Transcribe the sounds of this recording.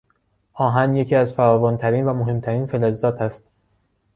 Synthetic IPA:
ʔɒːɦænje̞cʰiːæzfæɾɒːvont̪ʰæɾiːnvæmoɦe̞mt̪ʰæɾiːnfelezːɒːt̪ʰæst̪

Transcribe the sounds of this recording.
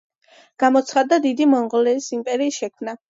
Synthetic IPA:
ɡ̥amɔt̪sʰχad̪ːad̪id̪imɔnʁɔlɛisimpʼɛɾiːsʃɛkʰmna

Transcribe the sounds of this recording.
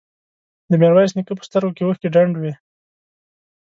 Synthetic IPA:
d̪əmjaɾwajsnikəpə̥st̪əɾɡokewəxkeɖaɳɖwi

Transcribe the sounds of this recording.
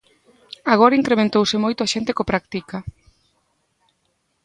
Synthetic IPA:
aɣ̞ɔɾaiŋkɾemẽnt̪owsɪmojt̪oaʃent̪ekopɾak̚t̪ikɐ

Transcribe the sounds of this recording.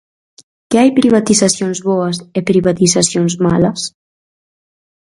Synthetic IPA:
keajpɾiβat̪izasjonzβɔəsepɾiβat̪izasjonzmaləs

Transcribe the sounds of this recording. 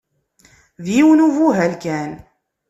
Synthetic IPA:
ðjiwnuvuɦælkæn

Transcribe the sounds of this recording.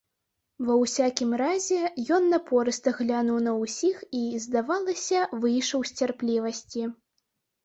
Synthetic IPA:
vɐwsʲakʲimɾazʲɛjɔnːɐpɔɾɨst̪ɐɣlʲanuwnɐwsʲixizd̪avalˠɐsʲɐvɨjʂɐwsʲt͡sʲarplʲivɐsʲt͡sʲi

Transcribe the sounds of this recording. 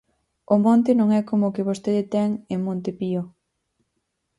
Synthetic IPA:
ʊmõnt̪ɪnõŋɛkomoːkeβost̪eðet̪ɛŋemõnt̪epio

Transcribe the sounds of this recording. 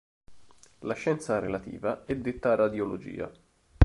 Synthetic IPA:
laʃɛnt̪saɾelat̪ḭːvaɛd̪ːɪt̪ːaːrːad̪jolod͡ʒḭːa̰

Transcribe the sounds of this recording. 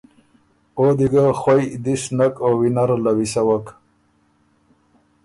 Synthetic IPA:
od̪iɡaxwajd̪iʂnakowinaɾlawisawak

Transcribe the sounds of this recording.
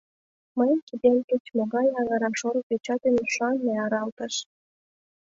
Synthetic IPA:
məjkid̪emket͡ɕmoɣɑjɑnɑɾɑʃoɾəpet͡ɕɑt̪enuʃɑnmeɑɾɑlt̪əʃ

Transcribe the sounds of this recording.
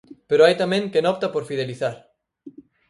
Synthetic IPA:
peɾoajt̪amẽŋkenɔpt̪apoɾfið̞eliθaɾ

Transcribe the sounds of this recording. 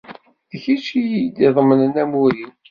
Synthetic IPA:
ðəçit͡ʃijid̪iðˤmənənæmuɾin

